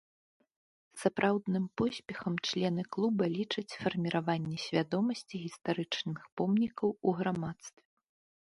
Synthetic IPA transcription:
sapɾʔawd̪nɨmpɔsʲpʲɛxɐmt͡ʂlʲɛnɨklˠubɐlʲit͡ʂɐt͡sʲfɐrmʲiɾavanʲːɛsʲvʲad̪ɔmɐsʲt͡sʲiɣʲist̪aɾɨt͡ʂnɨxpɔmnʲikɐwuɣɾamat̪st̪vʲɛ

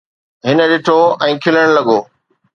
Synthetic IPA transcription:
ɦɪnə̆ɗɪʈʰoɛ̃ːkʰɪləɽ̃lɐɠoː

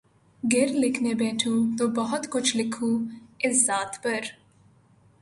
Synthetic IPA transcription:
ɡɪɾlɪkʰnebɛːʈʰũːt̪oːbɐɦʊt̪kʊt͡ʃʰlɪkʰũːɪsːaːt̪pɐɾ

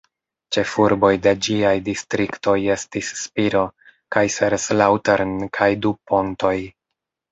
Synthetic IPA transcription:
t͡ʃe̞fuɾbo̞jde̞d͡ʒiajdistɾikto̞je̞stisːpiɾo̞ | kajseɾslawteɾnkʰajdupo̞nto̞j

